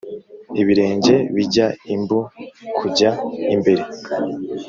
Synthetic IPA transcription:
iβiɾe̞ːɲɟe̞βiɟaimbukʰuɟaimbe̞ɾe

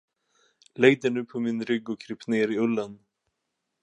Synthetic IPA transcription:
leːjt̪ɪnʉːpʰɔminɾʏɡːɔkʰɾɪp̪neːɾiɵlːan

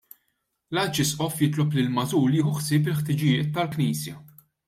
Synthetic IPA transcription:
lɐt͡ʃːɪsʔɔfjɪt̪lɔplɪlmɐzuːliːxuħsɪːp̬ɪlħt̪ɪd͡ʒɪjɪːt̪ːɐlkniːsjɐ

